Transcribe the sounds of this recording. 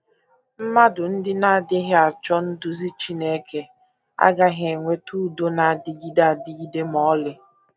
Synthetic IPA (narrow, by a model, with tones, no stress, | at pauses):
m̩˦ma˦dʊ˨n̩˦dɪ˦na˦a˨dɪ˦ɦɪ˦a˨t͡ʃɔ˦n̩˦dʊ˦zi˦t͡ʃi˦ne˦ke˨ | a̰˦ɡa˦ɦe˨ŋʷe˦tu˦do˦na˨a˨dɪ˦ɡi˦da˦˨a˨dɪ˦ɡi˦de˦mɔ˦lɪ˦